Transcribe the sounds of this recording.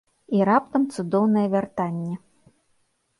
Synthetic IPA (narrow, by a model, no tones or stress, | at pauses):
iɾap̚t̪ɐmt̪sud̪ɔwnɐjɛvʲart̪anʲːɛ